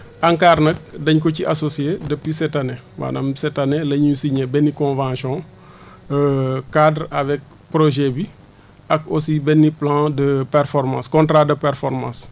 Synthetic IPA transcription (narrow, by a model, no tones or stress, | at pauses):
ʔɐŋkaːrnɐk̚dɐɲk̬ɔciʔasosiedəpwisɛtanewa̰namsɛtanelɐɲusiɲebɛnːikɔ̃vãːsjɔ̃ | əkadrɐvɛk̚ | pɾoʒɛbi | ɐkosibɛnːiplãːdəpɛrfɔɾmã̰skɔ̃ntɾadəpɛɾfɔɾmã̰ːs